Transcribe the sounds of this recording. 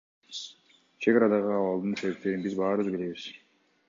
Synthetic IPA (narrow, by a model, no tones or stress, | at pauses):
t͡ʃʰe̞ɡɑɾɑd̪ɑʁɯɑwɑlˠd̪ɯnse̞βe̞p̚t̪e̞ɾinbizbɑːɾɯβbile̞βiz̥